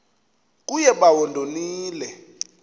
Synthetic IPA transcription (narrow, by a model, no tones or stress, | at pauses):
k̬ujɛɓawɔndʱoniːlɛ